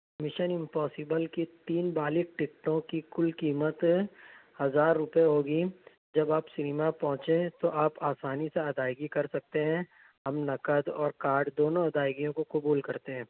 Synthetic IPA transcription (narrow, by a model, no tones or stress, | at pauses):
mɪʃənɪ̃mpɔːsɪbəlkit̪iːnbaːlɪk̚ʈɪk̚ʈõkikʊlkiːmət̪ | hɐzaːɾːʊpjeɦoːɡi | d͡ʒɐbaːpsɪnɪmapɔ̃ɦʊ̃t͡ʃẽt̪oʔaːpaːsaːniseɐd̪aːɪɡikɐɾsɐk̚t̪eɦɛ̃ | ɦɐmnɐkəd̪ɔːɾkaːɾɖd̪oːnõɐd̪aːɪɡijõkokʊbuːlkɐɾt̪eɦɛ̃ː